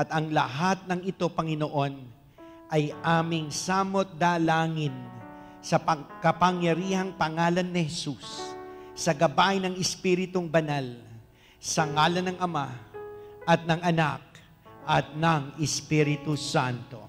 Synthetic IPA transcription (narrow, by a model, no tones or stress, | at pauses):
ɐt̪ɐŋlɐɦat̪̚nɐŋɪt̪o̞pɐŋɪnoʔo̞n | ʔɐjʔaːmɪŋsaːmot̪̚d̪alaːŋɪn | sɐpɐkɐpɐŋjɐɾiːhɐŋpɐŋaːlɐnːɪhɛsussɐɡɐbaʔɪnɐŋɪspiɾɪt̪ʊŋbɐnal | sɐŋaːlɐnɐŋɐma | ʔɐt̪̚nɐŋɐnak̚ | ʔɐt̪̚nɐŋɪspiɾɪt̪usant̪o̞̰